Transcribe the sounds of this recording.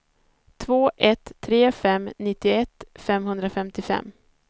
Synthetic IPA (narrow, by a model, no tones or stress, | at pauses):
t̪ʰvoːʔɛt̪ʰːɾeːfɛmːnɪt̪ːɪɛt̪ːfɛmɦɵnd̪ɾafɛmt̪ɪfɛ̰mː